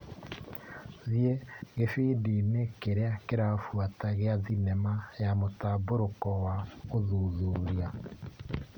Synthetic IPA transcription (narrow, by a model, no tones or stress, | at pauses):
zjeɣefidinekeɾeakeɾafwataɣeazinemajamotaboɾokɔwaoðuːðuɾja